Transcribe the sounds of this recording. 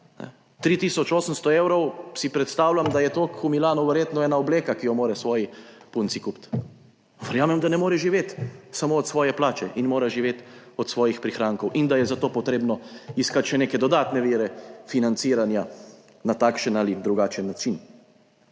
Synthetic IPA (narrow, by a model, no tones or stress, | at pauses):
nɛ̰ | t̪ɾiːt̪iːsɔt͡ʃoːsəmst̪ɔeːwɾɔwsipɾɛt̪st̪aːwlamd̪ajɛt̪oːkxumilaːnɔʋɛɾjeːt̪nɔɛːnaɔbleːkakijɔmoːɾɛsʋɔːjipunt̪sikupt̪ | ʋɛɾjaːmɛmd̪anɛmoːɾɛʒiʋeːt̪samoːt̪sʋɔːjɛplaːt͡ʃɛʔinmoːɾaʒiʋeːt̪ɔt̪sʋɔːjixpɾixɾaːŋkɔwʔind̪ajɛzat̪oːpɔt̪ɾeːbnɔiskat̪ʃɛneːkɛd̪ɔd̪aːt̪nɛʋeːɾɛfinant̪siːɾanja | nat̪aːkʃənalid̪ɾuɡat͡ʃənːat͡ʃin